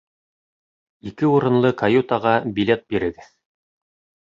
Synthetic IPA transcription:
ikɘuɾɤ̆nlˠɤkajut̪ɑʁɑbʲilʲet̪̚biɾɘ̆ɡɘð

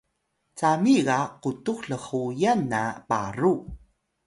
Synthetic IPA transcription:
t͡samiɡaqutuxɬəχujanːapa̰ru

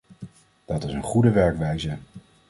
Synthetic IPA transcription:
d̥ɑtɪsənχudəʋɛɹkʋɛjzə

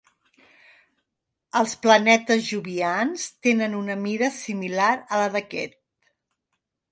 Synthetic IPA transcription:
əlˠsplənɛt̪əzʒuβianst̪enənunəmiɾəsimilaɾələðəkɛ̰t̪̚

